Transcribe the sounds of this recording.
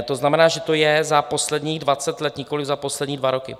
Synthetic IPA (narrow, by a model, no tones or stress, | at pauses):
t̪oznamɛnaːʒɛt̪o̞jɛzapo̞slɛdɲiːɣdvat͡sɛt̪lɛt̪ɲɪko̞lɪɣzapo̞slɛdɲiːdvaɾo̞kɪ̰